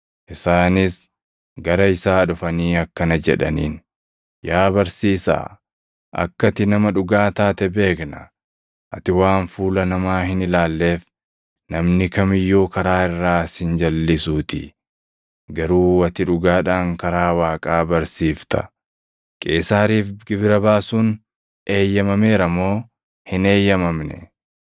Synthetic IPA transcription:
ʔɪsaːnɪs | ɡɐɾɐɪsaːᶑʊfɐniːɐkːɐnɐd͡ʒɛ̰ᶑɐ̰niːn | jaːbɐɾsiːsa̰ː | ʔɐ̰kːɐt̪ɪnɐmɐᶑʊɡaːt̪aːt̪ɛbe̞ːknɐ̰ | ʔɐ̰t̪ɪwaːnfuːlɐnɐmaːhɪnɪlaːlːe̞ːf | nɐmnɪkɐmɪjːoːkɐɾaːɪrːaːsɪnd͡ʒɐlːɪsuːt̪ɪ̰ | ɡɐɾuːɐt̪ɪᶑʊɡaːᶑaːŋkɐɾaːwaːkʼaːbɐɾsiːft̪ɐ̰ | kʼe̞̰ːsaːɾiːfɡɪbɪɾɐbaːsuːn | ʔe̞ːjːɐmɐme̞ːɾɐmːo̞ː | hɪne̞ːjːɐmɐmnɛ̰

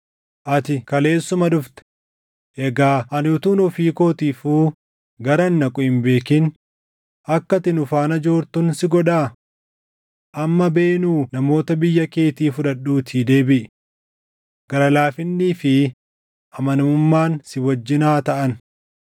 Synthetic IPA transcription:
ʔɐt̪ɪkɐle̞ːsːʊmɐᶑʊft̪ɛ̥ | ʔɛɡaːʔɐnʊt̪uːnɔfiːko̞ːt̪iːfuː | ɡɐɾɐnːɐkʼɔhɪmbe̞ːkɪn | ʔɐkːɐt̪ɪnʊfaːnɐd͡ʒo̞ːɾt̪ʊnsɪɡɔᶑaː | ʔɐmːɐbe̞ːnuːnɐmo̞ːt̪ɐbɪjːɐke̞ːt̪iːfʊᶑɐɗːuːt̪ʰiːd̪e̞ːbɪʔ | ɡ̥ɐɾɐlaːfɪnːiːfɪ | ʔɐmɐnmʊmːaːnsɪwɐd͡ʒːɪnaːt̪ɐʔɐn

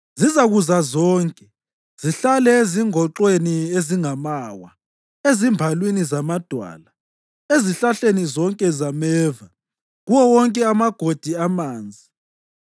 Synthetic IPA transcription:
zizaɣuzazɔːŋkʼɛ | z̥iɬalɛeziŋɔǁwenieziŋamawa | ezimbʱalwinizamad̥ʱwa̰la | eziɬaɬenizɔŋkʼɛzamɛːva | ɣuwɔwɔŋkʼɛamaɡ̥ʱod̥ʱiamaːnd͡zʱi

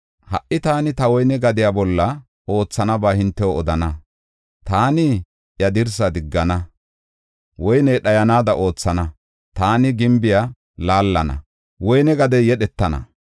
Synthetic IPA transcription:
hɐ̰ʔɪt̪aːnɪt̪ɐwɔjnɛɡɐd̪ɪjaːbɔlːɐ | o̞ːt͡sːɐnɐbaːhɪnt̪ːɛwoɔd̪ɐnɐ | t̪aːnɪ | jɐd̪ɪɾs̬ɐd̪ɪɡːɐnɐ | wɔjnɛːɗɐjɐnaːd̪ɐʔo̞ːt͡sːɐnɐ | t̪aːnɪɡɪmbɪja | laːlːɐnɐ̰ | wɔjnɛɡɐd̪ɛjɛɗɛt̪ːɐnɐ̰

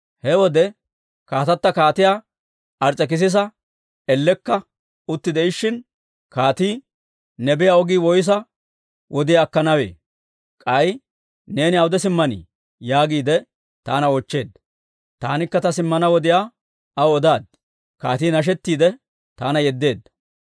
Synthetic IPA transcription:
hɛwɔd̪ɛ | kaːt̪ɐt̪ːɐkaːt̪ɪjaː | ʔɐɾt͡sʼːɛk̬ɪs̬ɪs̬ɐ | ɛlːɛkːɐ | ʊt̪ːɪd̪ɛɪʃːɪn | kaːt̪iː | nɛbɪjaɔɡiːwɔjs̬ɐ | wʔɔd̪ɪjaːkːɐnɐwe̞̰ː | kʼɐj | ne̞ːnɪɐwʊd̪ɛsɪmːɐnḭ | jaːɡiːd̪ɛ | t̪aːnɐɔt͡ʃːe̞ːd̪ɐ | t̪aːnɪkːɐt̪ɐsɪmːɐnɐwɔd̪ɪjaː | ɐwɔd̪aːd̪ | kaːt̪iːnɐʃ̬ɛt̪ːiːd̪ɛ | t̪aːnɐjɛd̪ːe̞ːd̪ːɐ

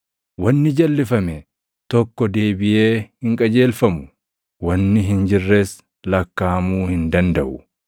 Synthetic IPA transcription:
wɐnːɪd͡ʒɐlːɪfɐmɛ | t̪ɔkːɔd̪eːbɪje̞ːhɪŋkʼɐd͡ʒe̞ːlfɐmʊ | wɐnːɪɦɪnd͡ʒɪrːe̞ːs | lɐkːaːmuːhɪnd̪ɐnd̪ɐʔʊ

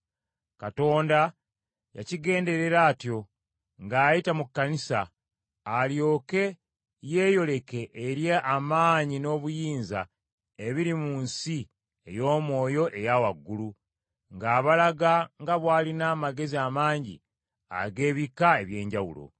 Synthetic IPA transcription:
kato̞ːnda | ja̰ciɡe̞ːnde̞ɾe̞ɾaːtjo̞ | ŋɡaːjitamukːanisa̰ː | ljo̞ːke̞ | jeːjo̞le̞keʔeɾjeʔamaːɲino̞ːβujiːnza̰ | e̞βiɾimuːnsi | ejo̞ːmwo̞ːjo̞ʔe̞jawaɡːulu | ŋɡaːβalaɡaŋɡaβwaːlinaːmaɡe̞ziamaːɲɟḭ | a̰ɡe̞ːβikae̞βje̞ːɲɟawṵlo̞̰

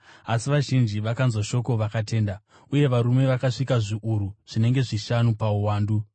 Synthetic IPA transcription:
asiʋaʒind͡ʒiʋakanzwaʃo̞ko̞ʋakate̞ːnda | uje̞ʋaɾume̞ʋakaʂikaʐiʔuɾuʐ̥ine̞ŋɡe̞ʐiʃanupauwaːndu

